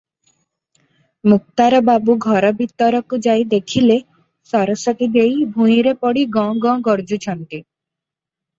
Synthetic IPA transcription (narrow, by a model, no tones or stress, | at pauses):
muk̚t̪aɾɔbabuɡʱɔɾɔbit̪ɔɾɔkud͡ʒajd̪ekʰile | sɔɾɔsɔkid̪ejbʱũĩɾepɔɽiɡɔ̃ɡɔ̃ɡɔɾd͡ʒut͡ʃʰɔnt̪i